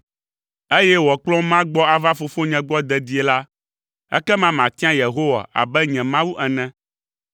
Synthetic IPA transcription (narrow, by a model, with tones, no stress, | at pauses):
e˦jɛ˦wɔ˨k͡plɔ̃˦mã˦ɡ͡bɔ˦a˨va˦fo˨fo˦ɲɛ̃˨ɡ͡bɔ˦d̪ɛ˨d̪i˦e˨la˦ | ɛ̰˦kɛ˦mã˦mã˨t̪i˦ã˦je˨ɦo˦wa̰˨ʔa̰˨bɛ˦ɲɛ̃˨mã˦wu˦ʔɛ˨nɛ̃˦